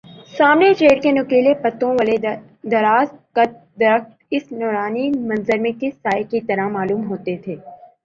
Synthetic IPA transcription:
saːmnet͡ʃeːɾkenʊkeːlepɐt̪ːõʋəle | d̪ɐɾaːzkɐt̪̚ | d̪ɐɾəxt̪ɪsnɔːɾaːnimɐ̃nzəɾmẽkɪsaːekit̪ɐɾamaːluːmɦoːt̪et̪ʰeː

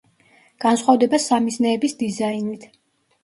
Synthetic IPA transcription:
ɡ̥ansχwavd̪ɛbasamisnɛːbisd̪izainit̪ʰ

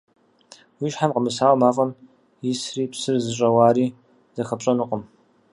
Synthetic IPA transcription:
wiːʃħamqəmɨsaːwɐmaːfʼɐm | jɪsriːpsɨrzɨɕʼɐwaːɾiː | z̥ɐxɐpɕʼɐnɨqʼəm

